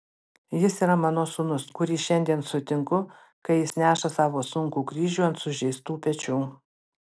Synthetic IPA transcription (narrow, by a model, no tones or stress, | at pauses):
jɪsiːɾɐmɑːnoːsʊnʊskʊɾʲiːʃʲɛnʲd̪ʲiɛnsʊt̪ʲɪŋkʊ | kɐɪjɪsnʲæːʃɐsɑːʋoːsʊŋkuːkɾʲiːʒʲuːɐnt̪sʊʒʲɛɪst̪uːpʲɛt͡ʃʲuː